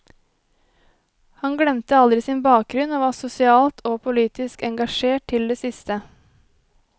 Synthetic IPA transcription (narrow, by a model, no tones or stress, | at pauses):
hɑŋɡɽɛmt̪əɑld̪ɾɪsiːnbɑːk̚ɡɾʉnoːʋɑːsʊsɪɑːlt̪ʰoːpʰʊliːt̪ɪskɛŋɡɑʃeːʈ̚t̪ʰɪld̪eːsɪst̪ə